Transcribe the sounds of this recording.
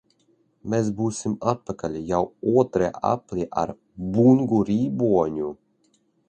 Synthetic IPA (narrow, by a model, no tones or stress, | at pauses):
mʲes̬buːsʲimat̪̚pakalʲijawuɔt̪ɾaʔa̰plʲiʔa̰ɾ | buŋɡuɾiːbuɔɲʲu